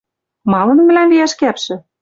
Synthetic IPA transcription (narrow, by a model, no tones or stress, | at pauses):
mɑlɤ̆n̆mɘ̆lænbijæʃkæpʃɘ̆